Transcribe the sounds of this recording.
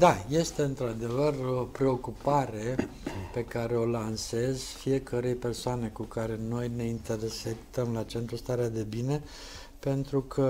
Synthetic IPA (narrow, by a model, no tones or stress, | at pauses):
d̪aje̞st̪e̞ɨnt̪ɾad̪e̞vəropɾe̞o̞kupaɾe̞pe̞kaɾe̞o̞lanse̞z̥fije̞kʰəɾe̞jpe̞rsoane̞kukaɾe̞no̞jne̞int̪e̞ɾese̞kt̪əmlat͡ʃe̞nt̪ɾust̪aɾead̪e̞bine̞ | pe̞nt̪ɾukʰə